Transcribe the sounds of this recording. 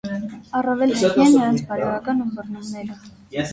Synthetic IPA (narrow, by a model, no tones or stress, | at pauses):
ɑrɑvɛlɛiɛnːəɾɑnt͡sʰbɑɾɛɾɑkɑnumbəɾnumnɛɾə